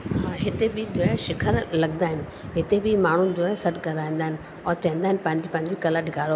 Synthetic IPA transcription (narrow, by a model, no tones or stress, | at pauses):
ɦaɦɪt̪ebɪd͡ʑoːɛʃɪkʰəɾlɐɠnd̪aːɦɪnɪ | ɦɪt̪ebɪmaːɳ̤ud͡ʑoːsɐʈkɐɾaːĩːn̆d̪aːɦɪn | ɔːɾt͡ɕɐɦɪ̃n̆d̪aːɪnpɐ̃ɦɪ̃ɲd͡ʑipɐ̃ɦɪ̃ɲd͡ʑokɐlaɗʱɪɡʱaːɾo